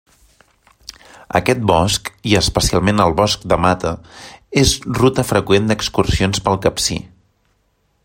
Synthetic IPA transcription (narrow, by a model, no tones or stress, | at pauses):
ə̰kɛt̪̚bɔskiəspəsialˠmenəlˠβɔsk̚d̪əmat̪əezrut̪əfɾəkwend̪əkskursionspəlˠkəpsḭ